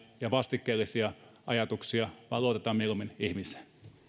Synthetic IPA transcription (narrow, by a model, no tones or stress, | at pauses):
jɑʋɑst̪ikːeːlːˑisiɑɑjɑt̪uksiɑʋɑˑloˑot̪et̪ɑmieluminihmise̥n